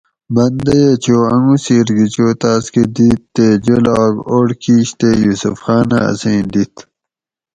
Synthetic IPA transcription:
bɐnd̪ɐjet͡ɕoːɐŋɡusiːɾɡit͡ɕoːt̪aːsked̪it̪ːed͡ʑelːɡoːɽkiːɕt̪ejuːsṵfxaːna̰ɐ̰sẽːnd̪it̪

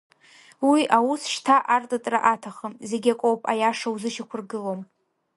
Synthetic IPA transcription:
wiʔawusʂtʰaʔartʼatʼra̰ʔatʰaχəmze̞ɡʲakʷʼowpʼa̰jaʂawzɨʃakʷʰʊrɡɨlom

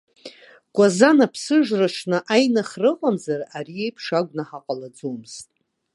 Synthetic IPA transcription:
ɡʷazanapʰsɨʒraʂʰnɨʔajnaχrɨqʼamzarariejpʰʂaɡʷnaħaqʼalad͡zomɨz̥tʼ

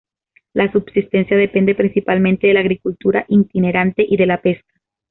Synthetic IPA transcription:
lasubsist̪e̞nsjað̞e̞pe̞nd̪epɾinsipalmẽnt̪eðe̞laɣɾikult̪uɾaʔint̪ine̞ɾant̪e̞ʔiðe̞lape̞skḁ

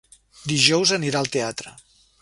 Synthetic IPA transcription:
d̪iʒɔwzəniɾaəlˠt̪eat̪ɾə

